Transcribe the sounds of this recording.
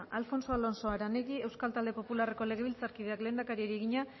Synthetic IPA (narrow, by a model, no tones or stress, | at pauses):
ʔalfo̞nso̞alo̞nso̞aɾaneɣie̞wskalt̪ald̪e̞populare̞ko̞le̞ɣe̞β̞ilt͡saɾkiðe̞akle̞ːnd̪akaɾieɾie̞ɣiɲa